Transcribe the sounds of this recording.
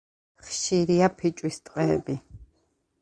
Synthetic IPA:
χʃiɾiapʰit͡ʃʼwist̪ʼqʼɛːbi

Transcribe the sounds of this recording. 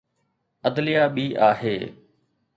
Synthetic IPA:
əd̪lɪjaːɓiːʔaːɦeː

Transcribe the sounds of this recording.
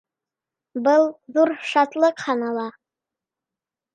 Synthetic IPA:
bɤlˠðuɾʃɑt̪lˠɤqχɑnɑlˠɑ

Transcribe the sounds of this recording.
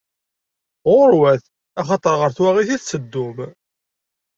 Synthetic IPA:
ʁʊɾwæθ | æχɑt̪ˤəɾʁəɾθwæʁiθiθt͡sːəd̪ːʊm

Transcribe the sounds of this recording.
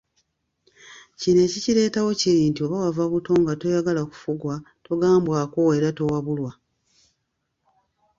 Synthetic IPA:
cine̞ciciɾe̞ːtawo̞ciɾiːntio̞βawavaβuto̞ːŋɡato̞jaɡalaku̥fuɡwa | to̞ɡaːmbwako̞e̞ɾato̞waβulwa

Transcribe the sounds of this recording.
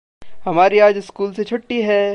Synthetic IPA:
hɐmaːɾiaːd͡ʒɪskuːlset͡ʃʰʊʈːiɦɛː

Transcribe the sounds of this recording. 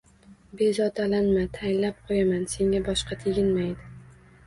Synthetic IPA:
be̞zɒt̪ʰalanmat̪ʰajɪnlap̚qʰojamanse̞ŋɡʲabɒʃqɑt̪ʰeɡʲɪnmajd̪ɪ

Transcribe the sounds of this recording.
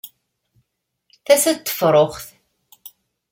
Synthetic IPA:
θæsæt̪ːə̥fɾˤoχθ

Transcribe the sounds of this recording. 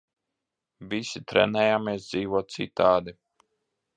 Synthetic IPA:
vʲisit̪ɾɛ̰nɛjaːmeɛs̬d̪ziːvuɔt̪̚t̪sḭt̪aːd̪i

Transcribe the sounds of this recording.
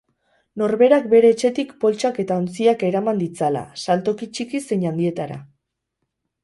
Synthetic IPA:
no̞ɾβe̞ɾakbe̞ɾe̞ːt͡ʃe̞t̪ikpo̞lt͡ʃake̞t̪ao̞nt͡siake̞ɾamand̪it͡sala̰salt̪o̞kit͡ʃikise̞ɲand̪ie̞t̪aɾa̰

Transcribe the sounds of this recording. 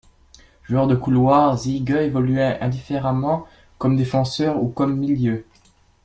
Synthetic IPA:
ʒuœʁd̪əkulwaʁziɡøevɔlyɛɛ̃d̪ifeʁamɑ̃ | kɔmd̪efɑ̃sœʁukɔmːiljø

